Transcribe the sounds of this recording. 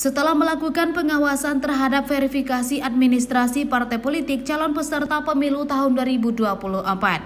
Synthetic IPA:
sət̪əlahməlakukanpəŋawasant̪ərɦadap̚feɾifikasiʔad̚minist̪ɾasipart̪ɛpolit̪ɪk̚t͡ʃalɔnpəsərt̪apəmilut̪aɦʊnduaɾibuduapuluhʔəmpat̪̚

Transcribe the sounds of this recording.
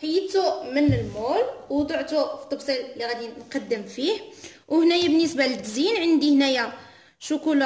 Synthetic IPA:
ħjət̪umənəlmulwd̪ˤuʕt̪ufi̥t̪ˤːɑbsˤillːiɣæd̪inqɑd̪ːəmfih | whnæjæbənːəsbaləd̪zinʕənd̪ihnæjæ | ʃukul

